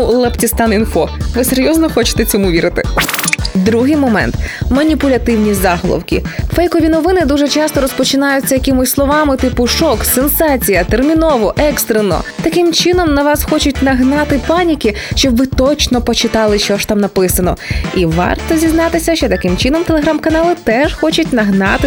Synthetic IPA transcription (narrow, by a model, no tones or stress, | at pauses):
lˠɐptʲist̪ɑninfɔʋɪseɾʲjɔznɔxɔt͡ʃɪ̥t̪ɛt͡sʲɔmuʋʲiɾɪt̪ɪ̰ | d̪ɾuɦɪjmɔmɛ̰nt̪mɐnʲipʊlʲɐt̪ɪwnʲizɑɦɔlˠɔ̰wkʲḭfɛjkɔʋʲinɔʋɪnɪd̪uʒɛt͡ʃɑst̪ɔɾɔspɔt͡ʃɪnɑjʊt͡sʲːɐjɐkɪmʊsʲslˠɔʋɑmɪt̪ɪpʊʃɔksensɑt͡sʲijɐt̪ermʲinɔʋɔʔɛkst̪ɾenɔ̰t̪ɐkɪmt͡ʃɪnɔmnɐʋɑsxɔt͡ʃʊt̚ʲnɐɦnɑt̪ɪpɑnʲikʲi | ʃt͡ʃɔbʋɪt̪ɔt͡ʃnɔpɔt͡ʃɪt̪ɑlˠɪʃt͡ʃɔʃt̪ɑmnɐpɪsɐnɔiʋɑ̰rt̪ɔzʲiznɑt̪ɪsʲɐʃt͡ʃɛt̪ɐkɪmt͡ʃɪnɔmt̪elˠeɦɾamkɐnɑlˠɪt̪ɛxɔt͡ʃʊt̚ʲnɐɦnɑt̪ɪ